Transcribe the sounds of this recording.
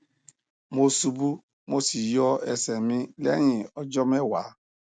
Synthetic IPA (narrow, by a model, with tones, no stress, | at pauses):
mo˦su˦bu˦ | mo˦si˨jɔ˦ɛ˦sɛ˨mɪ̃˦le˦ɲɪ̃˨ɔ˦d͡ʒɔ˦mɛ˦wa˨˦